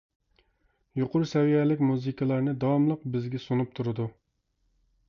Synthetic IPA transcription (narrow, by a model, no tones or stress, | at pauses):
joqʊɾusɛwijɛlɪkʲmuzɨkʰɨlˠɑɾnɨd̪ɑwɑmlˠəqbɪzɡʲɛsunup̚t̪ʰuɾɨd̪u